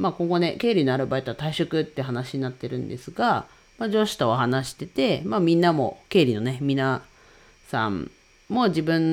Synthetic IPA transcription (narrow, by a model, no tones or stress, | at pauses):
maːkõŋɡo̞ne̞ke̞ːɾʲino̞aɾɯ̟bait̪o̞at̪aiɕokɯ̟t̪ːe̟ɦanaɕiɲ̟inat̪ːe̞ɾɯ̟̃nd̪e̞sɨɡa | mad͡ʑo̞ɕi̥t̪ooɦanaɕi̥t̪e̞t̪e̞mamʲĩnːamo̞̰ke̞ːɾʲino̞ne̞mʲina | sã̰m | mo̞d͡ʑibɯ̟̃n